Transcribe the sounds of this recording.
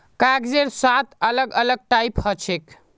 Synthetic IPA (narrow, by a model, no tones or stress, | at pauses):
kaɡd͡ʒeɾsat̪ʰələɡələɡ̚ʈajphət͡ʃʰek